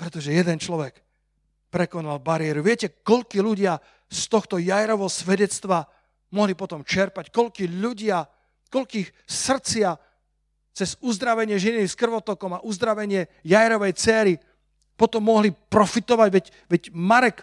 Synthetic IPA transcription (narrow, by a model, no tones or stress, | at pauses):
pɾɛt̪ɔʒɛjɛd̪ɛnt͡ʃlɔʋɛk | pɾɛkɔnalbaɾɪjɛɾuʋɪɛcɛkɔʎkiʎuɟɪa | st̪ɔxt̪ɔjajɾɔʋɦɔsʋɛɟɛt͡st̪ʋa | mɔɦlipɔt̪ɔmt͡ʃɛɾpackɔʎkiʎuɟɪa | kɔʎkiːxsr̩t͡sɪa | t͡sɛzuzd̪ɾaʋɛɲɪɛʒiniskr̩ʋɔt̪ɔkɔmaʔuzd̪ɾaʋɛɲɪɛjajɾɔʋɛjt͡sɛːɾi | pɔt̪ɔmːɔɦlipɾɔfit̪ɔʋaɟʋɛc | ʋɛɟmaɾɛk